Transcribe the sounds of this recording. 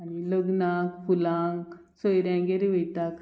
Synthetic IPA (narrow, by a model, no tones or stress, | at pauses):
añiləɡnakfulãŋksojɾãŋɡeɾiʋejt̪ak